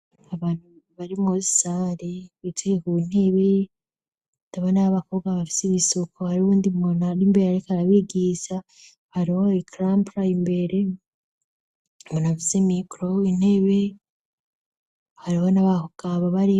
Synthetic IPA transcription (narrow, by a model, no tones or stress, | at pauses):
aβaːn̥hu | βaɾimŋozi̥saɾeβitikekun̥e̞βe | taβanaaβakoɡwaβafi̥siβisokʰohaɾiβuːndimonaɾimbeɾeaɾikaɾaβiɡisa | haɾiho̞ikɾampɾaimbe̞ɾe | monafizemikɾoin̥he̞βe̞ | haɾiho̞naβakuɡ̥aβaβaɾi